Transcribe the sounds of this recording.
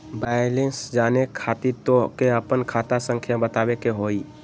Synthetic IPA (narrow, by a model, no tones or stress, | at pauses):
baːjlensd͡ʒaːnekʰaːt̪it̪õkeəpənkʰaːt̪asə̃ŋkʰjabət̪aːwekeɦoːi